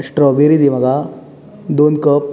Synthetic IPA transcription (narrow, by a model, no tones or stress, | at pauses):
ʂʈɾɔbiɾid̪imɐɡa | d̪ond̪kəp